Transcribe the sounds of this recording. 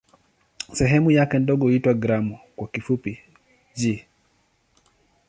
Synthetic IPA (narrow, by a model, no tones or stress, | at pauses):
sɛɦɛmujakɛndɔɠɔitwaɡɾamɔkwakifupi | ʄi